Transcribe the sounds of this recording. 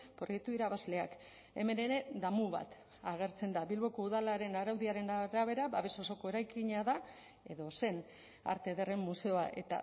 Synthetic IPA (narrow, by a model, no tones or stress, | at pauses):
pɾoje̞k̚t̪uiɾaβazle̞ak | e̞̰me̞ne̞ɾe̞ðamuβa̰t̪ | aɣ̞e̞ɾt͡se̞nd̪aβilβo̞ko̞uðalaɾe̞naɾawðiaɾe̞naɾaβe̞ɾaβaβe̞so̞so̞ko̞e̞ɾajkiɲaða | e̞ðo̞se̞n | a̰ɾt̪e̞ðere̞mːuse̞o̞a̰ʔe̞̰t̪a̰